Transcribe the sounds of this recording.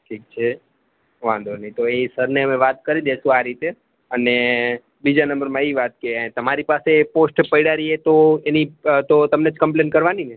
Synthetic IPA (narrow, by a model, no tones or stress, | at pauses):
ʈʰik̚t͡ʃʰe | ʋã̰nd̪ʱoɾnəĩt̪oeisəɾneəmeʋat̪kəɾid̪eʃũaɾit̪e | əne | bid͡ʒanəmbəɾmãiʋat̪̚ket̪əmaɾipaseposʈpəjɽaɾiet̪oenit̪ot̪əmned͡ʒkə̃mplenkəɾʋanine